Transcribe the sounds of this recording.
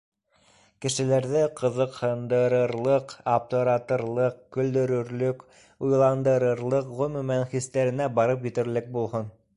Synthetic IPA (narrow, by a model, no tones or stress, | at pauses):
kɘ̆ʃɘ̆læɾðɘqʰɤ̆ðɤ̆qhɤ̆nd̪ɤ̆ɾɤ̆ɾlˠɤqapt̪ŏɾɑt̪ɤ̆ɾlˠɤqkɵ̆ld̪ɵ̆ɾɵ̆ɾlɵk | ujlˠɑnd̪ɤ̆ɾɤ̆ɾlˠɤqʁɵ̆mʉ̆mænχist̪æɾɘ̆næbɑɾɤp̬jɘ̆t̪ɘ̆ɾlɘk̚bulˠhon